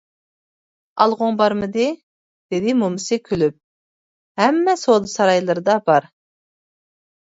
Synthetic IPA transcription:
ɑlˠʁʊŋbɑɾmɨd̪ɪ | b̥ɪɾɪmumɨsɨkʲʰølyp̚ | hɛmːɛsolˠɨsɑɾɑjlˠɨɾɨd̪ɑbɑɾ

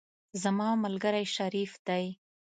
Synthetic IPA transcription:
zamɑmalɡəɾajʃaɾifd̪aj

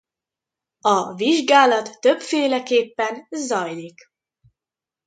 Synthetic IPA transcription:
ɒviʒɡaːlɒt̪ːø̞bfeːlɛkeːpːɛnzɒjlik

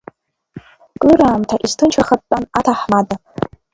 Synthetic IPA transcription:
kʼɨɾaːmtʰaʔiztʰɨnt͡ʃʰaχat̚ːʼanatʰaħmada

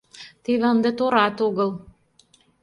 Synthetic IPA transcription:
t̪eβeənd̪et̪oɾɑt̪oɣɤl

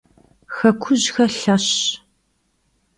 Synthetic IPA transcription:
xɐkʷʰʊʑxɐɬɐɕ

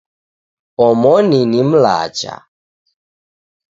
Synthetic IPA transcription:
ɔmɔninim̩la̰ːt͡ʃa̰

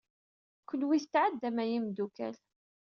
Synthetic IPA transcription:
kʷːəlwiθt̪ːʕad̪ːæmæjimd̪ukæ̰l

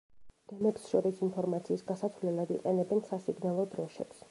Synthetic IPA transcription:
d̪̥ɛmɛpsʃɔɾisinpʰɔɾmat̪sʰiːsɡasat̪sʰvlɛlˠad̪ḭqʼɛnɛbɛnsasiɡnalˠɔd̪ɾɔʃɛ̰ps

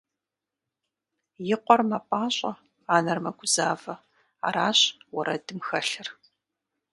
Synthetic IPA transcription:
jɪqʷɔrmaːpʼaːɕʼɐ | aːnɐrmɐɡʷʊzaːvɐ | a̰ːɾaːɕʼwɐɾɐdɨmxɐɬɨr

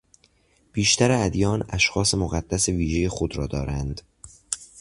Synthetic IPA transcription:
b̥iːʃt̪ʰæɾeæd̪jɒːnæ̰ʃxɒːse̞moɣæd̪̥ːæse̞viːʒejexod̪ɾɒːd̪ɒːɾænd̪

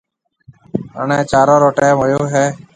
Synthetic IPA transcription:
ɦə̰ːɳẽːt͡ʃaːɾõːɾoːʈeːmʊjoːɦeː

